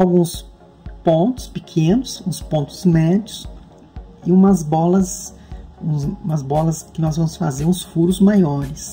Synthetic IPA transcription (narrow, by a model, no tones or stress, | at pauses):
awɡũs | põnt̪ʊ̥spɪkʰẽnʊsũspõnt̪ʊ̥zmɛd͡ʒʊs | ɪũmɐzbɔlɐs | ũũmɐzbɔlɐskɪnɔzvɐ̃mʊsfa̰zeɾũsfuɾʊzmajɔɾɪs